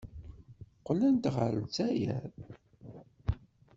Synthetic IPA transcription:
qlænt̪ʁəɾət͡sːæjæ̰ɾ

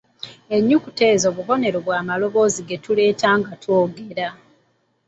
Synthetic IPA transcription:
e̞ɲːukute̞ːzo̞ːβuho̞ne̞ɾoβwaːmalo̞βo̞ːziɡe̞tule̞ːtaːŋɡatwoːɡe̞ɾa

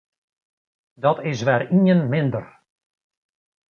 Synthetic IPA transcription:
dɔtɪsʋɛːriənmɪndər

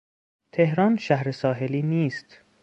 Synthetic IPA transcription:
t̪ʰe̞hɾɒːnʃæhɾesɒːɦeliːniːst̪

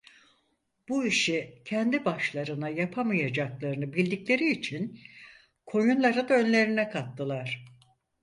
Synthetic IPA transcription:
b̥uiʃicʰɛnd̪ibaʃlˠaɾɯnajapʰamɯjad͡ʒaklˠaɾɯnɯbilʲd̪iclʲe̞ɾiːt͡ʃʰin | kʰo̞junlˠaɾad̪aø̞nlʲe̞ɾinɛkʰat̪ːɯlˠaɾ̥

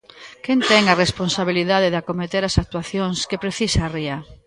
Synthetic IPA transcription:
kent̪ɛŋaresponsaβiliðaðeðakomet̪eɾasak̚t̪waθjoŋskepɾeθisaːria

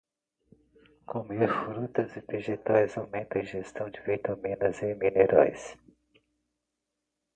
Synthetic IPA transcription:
komeɾfɾut̪ɐzɪveʒet̪ajzawmẽnt̪ɐ̃ʒest̪ɐ̃w̃d͡ʒɪvit̪ɐmĩnɐzemineɾʔɔ̰js

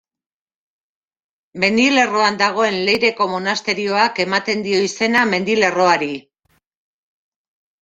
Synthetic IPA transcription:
me̞nd̪ile̞ro̞and̪aɣ̞o̞e̞nle̞jɾe̞ko̞mo̞nast̪e̞ɾio̞ake̞mat̪e̞nd̪io̞ise̞name̞nd̪ile̞ro̞aɾi

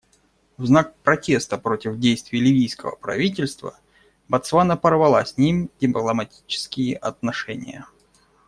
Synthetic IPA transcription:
vznak̚pɾɐtʲe̞st̪əpɾo̞tʲɪvdʲejst̪vʲɪjlʲɪvʲijskəvə̰pɾɐ̰vʲit̬ʲɪlʲst̪və̰ | bɐt̪svanəpərvɐlˠasʲnʲimdʲɪmplˠəmɐtʲi̥t͡ɕɪ̥skʲɪjɪʔɐt̪nɐʂɛnʲɪ̰jə̰

